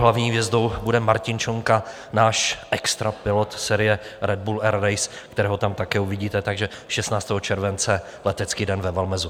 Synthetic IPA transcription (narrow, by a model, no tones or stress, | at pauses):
ɦlavɲiːvjɛzdo̞wbudɛmaɾcɪnt͡ʃoŋka | naːʃʔɛkst̪ɾapɪlot̪sɛːɾɪjɛɾɛd̪̚bulɛɾɾajskt̪ɛɾɛːɦot̪amt̪akɛːuvɪɟiːt̪ɛt̪aɡʒɛ | ʃɛst̪naːt͡st̪ɛːɦot͡ʃɛɾvɛnt͡sɛ | lɛt̪ɛt͡skiːdɛnvɛvɛlmɛzu